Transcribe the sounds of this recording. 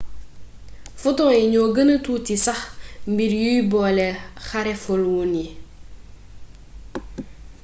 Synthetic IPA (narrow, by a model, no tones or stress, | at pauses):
futɔːɛɲɔːɡənətuːtisɐxmbiɾjujbɔːlɛxaɾɛfolwuni